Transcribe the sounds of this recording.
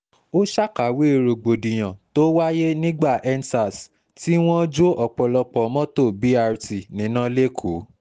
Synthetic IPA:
o˦ʃa˦ka˨wi˦e˨ɾo˨ɡ͡bo˨dĩ˨j̃ã˨to˦wa˦je˦nĩ˦ɡ͡ba˦˨ʔɛ˦nsa˨s | ti˦w̃ɔ̃˦d͡ʒo˦ɔ˨k͡pɔ˨lɔ˧k͡pɔ˨˦mɔ̃˦to˦˨bi˨˦a˧ɾti˨nĩ˨˦nã˦le˦kʰu˨˦

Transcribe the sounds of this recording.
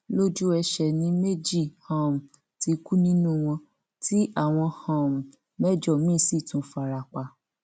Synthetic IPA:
lo˦d͡ʒu˦ɛ˧ʃɛ˨nĩ˧˦me˦d͡ʒi˦˨hã˨m̩˨ | ti˧ku˦nĩ˦nũ˦˨w̃ɔ̃˧ | tʰi˦ʔa˦˨w̃ɔ̃˧hã˨m̩˨ | mɛ˦d͡ʒɔ˦˨mĩ˦si˦˨tũ˨˦fa˧ɾa˧˨k͡pa˧˨

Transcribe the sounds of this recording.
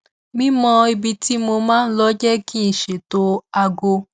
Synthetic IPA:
mĩ˦mɔ̃˧i˧bi˧ti˦mo˧mãː˦n̩˦lɔ˦d͡ʒɛ˦kĩ˦n̩˨ʃe˨to˧a˧ɡo˧

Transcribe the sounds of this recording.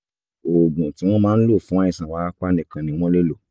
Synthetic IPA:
o˨ɡũ˨ti˨˦w̃ɔ̃˦mãː˦lo˦˨fũ˨˦a˦ĩ˦˨sã˨wa˨˦k͡pa˦nĩ˦˨kã˨nĩ˧w̃ɔ̃˦le˦lo˦˨

